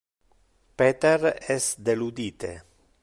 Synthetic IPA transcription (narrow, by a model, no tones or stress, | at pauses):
pet̪eɾɛsd̪elud̪iːt̪ḛ